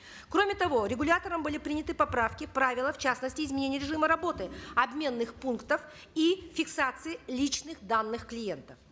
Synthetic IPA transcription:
kɾo̞mʲɪt̪ɐvo̞ɾʲɪɡʊlʲat̪əɾəmbɨlʲɪpɾʲinʲɪt̪ɨpɐpɾafkʲɪpɾavʲɪlˠəft͡ɕasnəsʲtʲɪɪzmʲɪnʲenʲɪjəɾʲɪʐɨməɾɐbo̞t̪ɨɐbmʲe̞nːɨxpunkt̪əf | ifʲɪksat̪sɨɪlʲit͡ɕnɨxd̪anːɨxklʲɪje̞nt̪əf

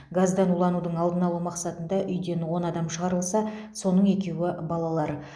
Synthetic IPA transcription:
ɡazd̪ɑnulˠɑnud̪əɴɑlˠd̪ənɑlˠuwmɑqsɑt̪ənd̪ɑʔʏjd̪e̞nwo̞nɑd̪ɑmʃəʁɑɾəlˠsɑso̞nəɴe̞kʲe̞wɪbɑlˠɑlˠɑɾ

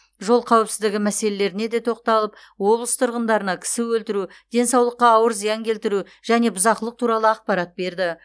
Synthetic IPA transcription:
ʒo̞lˠqʰɑwɪpsɪzd̪ɪɡʲɪmæse̞le̞le̞ɾɪne̞d̪e̞t̪ʰo̞qt̪ɑlˠəp | wo̞blˠəst̪ʰʊɾʁənd̪ɑɾənɑkʲʰɪ̥sɪwɵlt̪ɪɾud̪̥e̞nsɑwlˠəqːɑːwəɾzijɑŋkʲʰe̞lt̪ɪɾu | ʒ̥æne̞bʊzɑqəlˠəq̚t̪ʰuɾɑlˠəɑq̚pɑɾɑt̪̚be̞ɾd̪ɪ

